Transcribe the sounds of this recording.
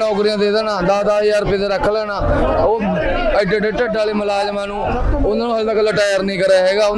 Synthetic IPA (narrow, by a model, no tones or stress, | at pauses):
ɔːkɾɪjãːd̪eːd̪aːnaːd̪aːd̪aːiːəɾpeːt̪eːɾəkʰːləːnaːoː | əɖeɖeʈəɖaːliːməlaːd͡ʒmɛ̃ːnũː | ʊnaːnũːɦəlt̪aːkəlːaːʈaːjəɾnĩːkəɾaːɦɛːɡaːʊ